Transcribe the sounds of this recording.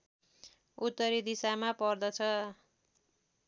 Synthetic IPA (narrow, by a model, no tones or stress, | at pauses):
ut̪ːʌɾid̪isamapʌrd̪ʌt͡sʰʌ